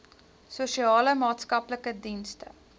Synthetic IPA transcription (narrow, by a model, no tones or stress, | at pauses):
suʃiɑːləmɑːtskɐpləkədinstə